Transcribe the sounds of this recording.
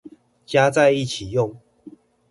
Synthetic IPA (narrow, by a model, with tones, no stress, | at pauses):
t͡ɕja˦t͡sa˥˧ɪi˥˨t͡ɕʰi˨˩jʊ˥˨ŋ